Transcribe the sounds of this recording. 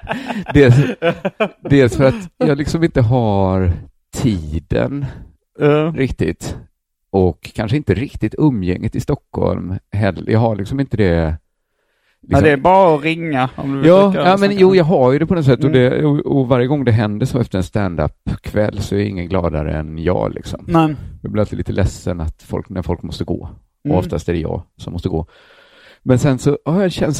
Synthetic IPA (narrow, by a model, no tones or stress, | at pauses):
d̪ɛs | d̪ɛːlsfœɾat̪jɑːɡlɪksɔmɪnt̪əɦaɾ | t̪ʰiːd̪ə̰n | ɾɪkt̪ɪt̪ | ɔkʰːanʂəɪnt̪əɾɪkt̪ɪt̪ɵmːjɛ̰ŋːɪt̪ɪst̪ɔkːhɔ̰lmɦɛlːjʔɑ̰ɡhaɭɪksɔmɪnt̪əd̪ɛ | lɪɔdɛbɑːɾaɔɾɪŋːaɔmd̪jɑːɑːmɛnjuːjɑːɡɦajɵd̪ɛpʰɔnɔt̪sɛt̪ːɔd̪ɛɔɔvaɾjəɡɔŋːd̪ɛɦɛnd̪əʂɔmɛft̪əɾɛnst̪ænd̪a̰pkʰvɛlːsɔæɾɪ̰ŋːənɡlɑːd̪aɾə̰ɛnjɑ̰ːlʔɪ̰ksɔmjɑɡblɪɾalt̪ɪliːt̪əlɛsːənat̪fɔ̰lknæɾfɔlkmɔst̪əɡo̰ː | ɔɔft̪ʰast̪æɾɛjɑ̰ːsɔmɔst̪əɡoː | mɛnsɛnsɔhajad̪ɕɛns